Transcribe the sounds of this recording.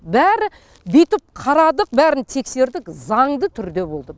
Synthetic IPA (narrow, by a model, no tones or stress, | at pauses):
bæɾɪ | bijt̪ɪp̚qʰɑɾɑd̪əq̚bæɾɪnt̪ʰe̞kse̞ɾd̪ɪkzɑɴd̪ət̪ʰʏɾd̪e̞bo̞lˠd̪ə